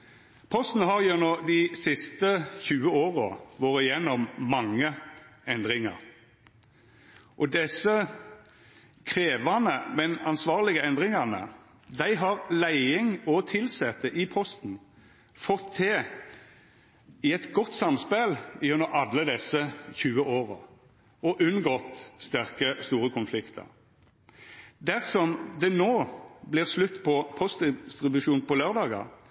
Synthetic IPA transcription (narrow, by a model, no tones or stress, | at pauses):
pʰɔst̪n̩ɦɑʁjʉnɔd̪ɪsɪst̪əçʉːəoːʁɔ̰ʋoːʁəjɛnːɔmːɑŋːəɛnd̪ʁɪŋɑ̰ʁ | ʔɔd̪ɛsə | kʰʁeːʋɑnəmɛnɑnsʋɑːʁlɪɡəɛnd̪ʁɪŋɑnə̰ | d̪æɪɦɑʁlæɪɪŋɔt̪ʰɪlsɛt̪ːəʔɪpʰɔst̪n̩ | fɔt̪ʰːɛː | ɪɛt̪ɡɔt̪ːsɑmspɛlɪʉnəɾɑlːəd̪ɛsəçʉːəʔoːʁə | ɔʔʉnɡɔt̪st̪æʁkəst̪uːʁəkʰʊnflɪkt̪ʰə̰ʁ | d̪æʁsɔmd̪ɛnoːblɪːʁslʉt̪ːpʰɔpʰɔst̪d̪ɪst̪ʁɪbʉʂuːnpɔløːʁd̪ɑːɡɑ̰